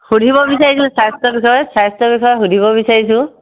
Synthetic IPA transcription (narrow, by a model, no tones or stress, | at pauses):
xudʱibɔbisaɹisil̃sast̪ɔbixɔjɔsast̪ɔbikɔjɔxudʱibɔbisaɹisʊ̃